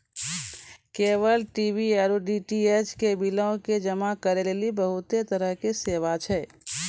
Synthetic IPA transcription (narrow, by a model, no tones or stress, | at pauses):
keːʋəlʈiːbieɾoɖiʈiet͡ʃkebilaõked͡ʒəmakəɾeleːlibəɦʊt̪et̪əɾəɦkeseːʋat͡ʃʰɛː